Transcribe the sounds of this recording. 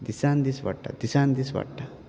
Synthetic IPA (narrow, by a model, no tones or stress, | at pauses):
d̪isand̪isʋɐ̰ʈːa̰d̪isaːnd̪isʋɐ̰ʈːa